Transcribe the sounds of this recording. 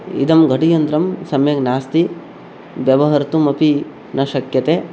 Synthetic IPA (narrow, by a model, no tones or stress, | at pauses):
ḭd̪ɐmɡʱɐʈijɐnd̪ɾɐmsɐmjɐɡnaːst̪i | bjɐʋɐɦɐɾt̪umɐpi | nɐʃɐkjɐt̪eː